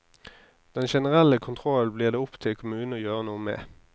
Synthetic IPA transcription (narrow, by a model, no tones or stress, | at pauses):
d̪̥ɛnʃɛnəʁɛləkʰʊnt̪ʰʁɔlbliːʁd̪eːʊpt̪ʰɪlkʰʊmʉːnojøːʁənuːəmḛː